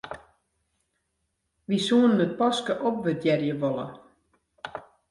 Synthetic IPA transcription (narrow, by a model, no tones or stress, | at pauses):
ʋisuənnət̚pɔskəʔɔp̚ʋədjɛrjəʋolˠə̰